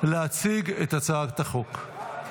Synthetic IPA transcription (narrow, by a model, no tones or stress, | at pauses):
leat͡siɡet̪at͡saaɡt̪aχok